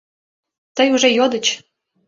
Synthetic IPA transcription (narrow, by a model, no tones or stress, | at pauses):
t̪əjuʒejod̪ə̆t͡ɕ